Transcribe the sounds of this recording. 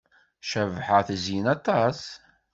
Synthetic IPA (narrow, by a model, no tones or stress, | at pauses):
ʃævħəθəzjinɑt̪ˤːɑs